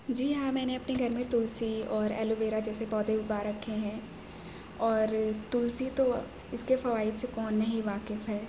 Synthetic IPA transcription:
d͡ʒiːɦãmɛːneɐpneɡʱɐɾmẽt̪ʊlsiɔːɾɛ̰ːloʋeːɾad͡ʒɛːsepɔːd̪ʱeʊɡaːɾɐkʰːeɦɛ̃ː | ɔːɾt̪ʊlsit̪o | ɪskefɐʋaːɪd̪sekɔːnːɐɦĩʋaːkɪfɦɛː

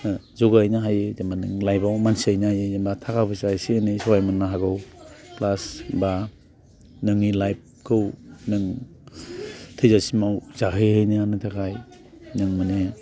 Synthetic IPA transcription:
zɔɡajnaɦajɯzambanɯŋlajbawmansiajnaajɯzambatʰakabɯsajsianisɔwajmɯnːaɦaɡɯwplasba | nɯŋilajp̚kʰɯwnɯŋ | tʰɯjzasimawzaɦɯjhɯjnɯanɯtʰakʰaj | nɯŋmɯne

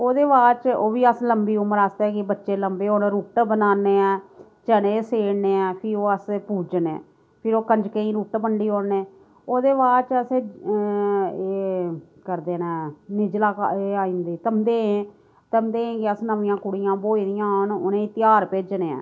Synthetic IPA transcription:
oːd̪eːʋaːlt͡ʃoːʋiːəsləmbiːʊməɾaːst̪ɛːkɪbətːʃeːləmbeːoːnːɾuːʈbənaːneːɛː | t͡ʃəɽẽːseːɽneːɛ̃ːpʰɪoːəspuːd͡ʒnḛː | pʰɪɾoːkəɲd͡ʒkəĩːɾuːʈbəɳɖiːoːɽneː | oːd̪eːʋaːt͡ʃəse | kəɾd̪eːnɛːnɪd͡ʒlaːkeːaːĩːnd̪iːt̪əmd̪eːẽː | t̪əmd̪eːẽːkɪəsnəʋɪjãːkʊɽɪjãːboːiːd̪ɪjãːɦonʊnẽːt̪ɪjaːɾpeːd͡ʒneːɛ̰̃ː

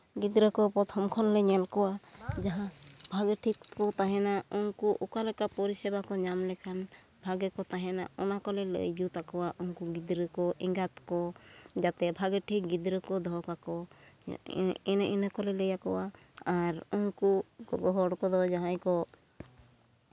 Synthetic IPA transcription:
ɡid̪ɾəkɔpɾɔt̪ʰɔmkʰɔnlɛɲɛlkɔwad͡ʒaɦãbʱaɡəʈʰikkɔt̪aɦɛnaunkuʔukalɛkapɔɾisɛbakɔɲamlɛkʰan | bʱaɡɛkɔt̪aɦɛna̰ɔnakɔlɛlə̰jd͡ʒut̪akɔwaʔunkuɡid̪ɾəkɔʔɛŋɡat̪kɔd͡ʒat̪ɛbʱaɡəʈʰik̚ɡid̪ɾəkɔd̪ʱɔkakɔ | ɛnʔɛnəkɔlɛləjakɔwa | aɾunkuɡɔɡɔɦɔɽkɔd̪ɔd͡ʒaɦãjkɔ

